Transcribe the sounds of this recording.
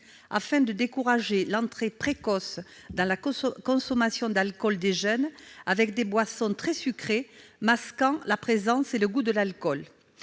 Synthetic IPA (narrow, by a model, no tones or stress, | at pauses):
a̰fɛ̃d̪əd̪ekuʁaʒelɑ̃t̪χepχekɔs | d̪ɑ̃lakɔ̃sɔmasjɔ̃d̪alkɔld̪eʒœnavɛkd̪ebwasɔ̃t̪χɛsykχemaskɑ̃lapχezɑ̃seləɡud̪əlalkɔl